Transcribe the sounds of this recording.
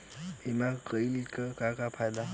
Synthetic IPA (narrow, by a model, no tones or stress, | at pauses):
imakəilikakakapʰajd̪a